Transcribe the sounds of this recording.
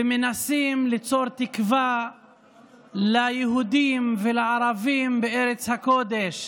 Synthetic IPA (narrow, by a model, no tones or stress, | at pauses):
emenasimlit͡so̞ɾt̪ikva | lajeɦud̪imvelaaɾavimbeʔeɾet͡shako̞d̪eʃ